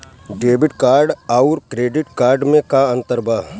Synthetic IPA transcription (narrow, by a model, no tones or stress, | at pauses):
ɖeːbɪʈkaːɾɖaʊɾkɾeːɖɪʈkaːɾɖmẽkaə̃nt̪əɾbaɦ